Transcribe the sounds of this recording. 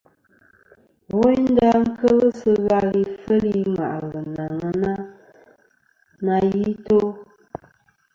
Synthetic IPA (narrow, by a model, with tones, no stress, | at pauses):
wɛ˦ɲn˦da˦ŋ̩˦kə˦lə˦sɨ˦ɣa˦li˨fə˦li˦ma̰˨ʔa˨ɣɨ˨na˨ŋə˦na˦ | na˧ji˦to˦